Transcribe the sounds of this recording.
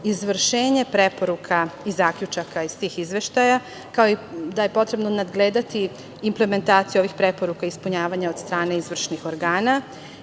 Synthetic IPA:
izʋr̩ʃeːɲe̞pɾepo̞ɾukʰaizaːkʎʲut͡ʃakaist̪iːxizʋe̞ʃt̪aja | kao̞id̪aje̞po̞t̪ɾe̞bno̞nad̪ɡleːd̪at̪iː | mple̞me̞nt̪aːt̪sijuo̞ʋixpɾepo̞ɾukaispuɲaːʋaɲaod̪st̪ɾaːne̞izʋr̩ʃnixo̞ɾɡaːna

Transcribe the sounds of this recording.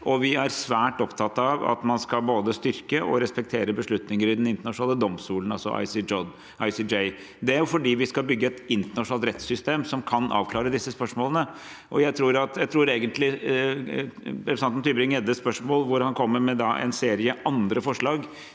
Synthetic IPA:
ʔɔʋɪæɾsʋæːʈɔpt̪ʰɑt̪ːɑʋɑ̰t̪mɑnskɑlboːd̪əst̪ʏɾkəʔɔ̰ɾɛspɛk̚t̪ʰeːɾəbəʂɭʉt̪nɪŋəɾɪd̪ɛnɪnt̪əɳɑʂn̩ɑːləd̪ɔmst̪uːlənɑlsɔ̰ʔɑ̰ɪsɪɔd̪ | ʔɑɪsid͡ʒɛɪ | d̪ɛæɾjʊfɔɖiːʋɪskɑlbʏɡːəɛt̪ɪnt̪əɳɑʂʊnɑlt̪ɾɛt̪sʏst̪eːmsɔmkʰɑnʔɑ̰ːʋkʰlɑːɾəd̪ɪsːəspœʂmoːlənə | ʔɔjæɪt̪ʰɾuːɾɑt̪jæɪt̪ʰɾuːɾeːɡənt̪lɪ | pɾɛsɑnt̪n̩t̪ʰyːbɾɪŋjɛd̪əspœʂmoːlʋʊɾhɑnkʰɔmːəɾmɛd̪ɑʔɛ̰nseːɾɪəʔɑnd̪ɾəfɔʂɭɑːɡ

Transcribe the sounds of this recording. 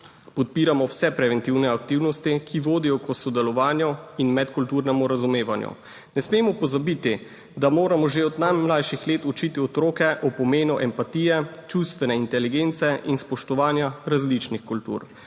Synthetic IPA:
pɔt̪̚piːɾamɔwsɛpɾɛʋɛnt̪iwnɛakt̪iwnɔst̪ikʰiʋoːd̪ijɔkɔsɔd̪ɛlɔʋaːnjɔinmɛt̪kult̪uɾnɛmuɾazumeːʋanjṵ | nɛsmeːmɔpɔzabit̪i | d̪amoːɾamɔʒeɔd̪najmlajʃixleːt̪ut͡ʃit̪iɔt̪ɾoːkɛʔɔpɔmeːnuʔɛmpat̪iːjɛt͡ʃust̪ʋɛnɛint̪ɛliɡeːnt̪sɛʔinspɔʃt̪ɔʋaːnjaɾazlit͡ʃnixkult̪ṵɾ

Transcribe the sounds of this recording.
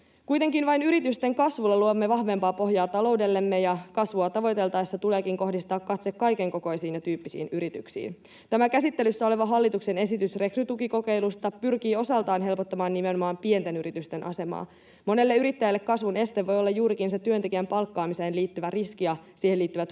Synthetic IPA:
kujt̪e̞ŋkinʋɑjnyɾit̪yst̪e̞ŋkɑsʋulːɑluomːe̞ʋɑhʋe̞mpɑːpo̞ɦjɑːt̪ɑlo̞wde̞lːe̞mːe̞jɑkɑsʋuɑt̪ɑʋo̞jt̪e̞lt̪ɑːesːæt̪ule̞ːkiŋko̞hdist̪ɑːkːɑt̪sekkɑjke̞ŋko̞ko̞jsiːnjɑt̪yːpːisḭːnyɾit̪y̰ksḭːn | t̪æmækæsit̪ːe̞lysːæo̞le̞ʋɑɦɑlːit̪ukse̞ne̞sit̪ysre̞kryt̪ukiko̞ke̞jlust̪ɑpyrk̟iːo̞sɑlt̪ɑːnɦelpot̪ːɑmɑːnnime̞nomɑːmpie̞nt̪e̞nyɾit̪yst̪e̞nʔɑ̰se̞mɑ̰ː | mo̞ne̞lːe̞yɾit̪ːæjælːe̞kːɑsʋune̞st̪eʋːo̞jolːɑjjuːɾikinse̞t̪yønt̪ekiæmpɑlkːɑːmiseːnliːt̪ːyʋæriskiɑsiːheliːt̪ːyʋæt̪

